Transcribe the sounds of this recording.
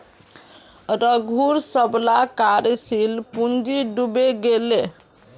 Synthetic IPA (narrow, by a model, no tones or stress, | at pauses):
ɾəɡʱuɾsəblakaɾsilpund͡ʒiɖubeɡele